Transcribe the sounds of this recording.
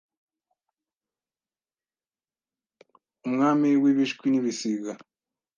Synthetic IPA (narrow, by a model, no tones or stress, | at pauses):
umŋaːmiwiβiʃkwiniβisiɡa